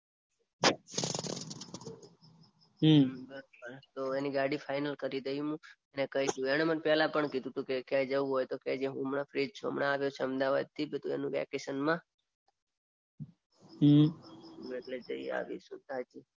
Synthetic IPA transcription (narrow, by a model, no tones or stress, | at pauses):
bəɾobəɾt̪oeniɡaɽifajnəlkəɾid̪əjũɦũ | enekəɦid̪ũeɽ̃emənpjalapəɳkid̪ʱũt̪ʰũkekjad͡ʒəũɦojt̪okjad͡ʒeɦũəmɳafɾid͡ʒt͡ʃʰuə̰mɳaːʋjot͡ʃʰeəmd̪aʋa̰d̪̚t̪ʰibit̪ʰũḛnũʋɛ̰keʃənmã | beʈled͡ʒəia̰ʋḭʃṵ̃t̪ad͡ʒi